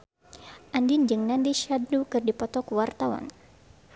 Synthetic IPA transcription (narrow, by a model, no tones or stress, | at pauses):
ʔandind͡ʒɨŋnandiʃadnukɨrdipɔt̪ɔkuwart̪awa̰n